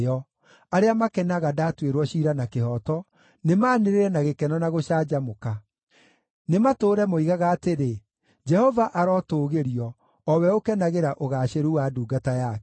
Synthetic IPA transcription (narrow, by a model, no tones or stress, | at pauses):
ɔ | aɾeamakɛnaɣadaːtweɾwɔɕiɾanakehɔtɔ | nemaːneɾeɾɛnaɣekɛnɔnaɣoʃaːd͡ʒamoka | nematoːɾɛmoiɣaɣaːteɾe | d͡ʒɛhɔvaʔaɾɔtoːɣeɾiɔː | wɛokɛnaɣeɾaʔoɣaːɕeɾuwaduːɡataja